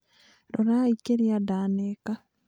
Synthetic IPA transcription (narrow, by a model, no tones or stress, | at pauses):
ɾoɾaikeɾiadaːneka